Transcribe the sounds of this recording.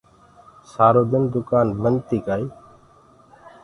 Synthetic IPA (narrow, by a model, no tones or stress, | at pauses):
saːɾoːd̪ɪnd̪ʊkaːnbənt̪iːkaːiː